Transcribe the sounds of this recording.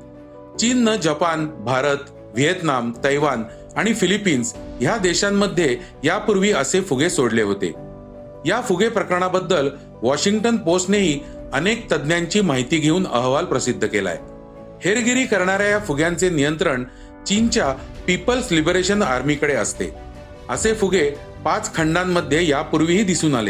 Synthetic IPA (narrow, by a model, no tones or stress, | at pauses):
t͡ɕinːəd͡ʑəpanbʱaɾət̪ | ʋijet̪namt̪əjʋan | aɽ̃ifilipiːnsjad̪eɕamːəd̪ʱːje | japuɾʋiːəsefuɡesoɽleɦot̪ḛ | jafuɡepɾəkəɾəɳabəd̪ːəl | ʋɔɕiŋɡʈənposʈneɦiː | ənek̚t̪əd̪njaɲt͡ɕiːmaɦit̪iːɡʱeuːnə̰ɦʋalpɾəsid̪ʱːəkela̰j | heɾɡiɾiːkəɾɳaɾjajafuɡjãnt͡senijənt̪ɾəɳ | t͡ɕint͡ɕjapipəlslibɾeɕənaɾmikəɽeəst̪ḛ | əsefuɡʱe | pat͡skʰəɳɖamːəd̪ʱːjejapuɾʋiɦiːd̪isuːnalḛ